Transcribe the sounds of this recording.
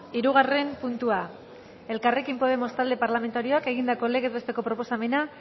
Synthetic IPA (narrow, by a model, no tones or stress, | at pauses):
iɾuɣ̞are̞mpunt̪ua | e̞lkare̞kimpo̞ð̞e̞mo̞st̪ald̪e̞paɾlame̞nt̪aɾio̞ake̞ɣ̞ind̪ako̞le̞ɣezβe̞st̪e̞ko̞pɾo̞po̞same̞na